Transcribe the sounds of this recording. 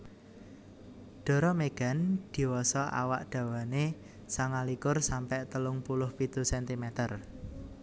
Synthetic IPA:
ɖ̪̥ɔ̤ɾɔmeɡ̥a̤nd̪̥i̤wɔsɔʔa̰waʔd̪̥ä̤wane | saŋalikʊrsampɛʔt̪əlʊŋpulʊhpit̪usɛnt̪imɛt̪ər

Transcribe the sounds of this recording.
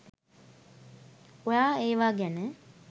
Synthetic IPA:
ojaːeːʋaːɡænə

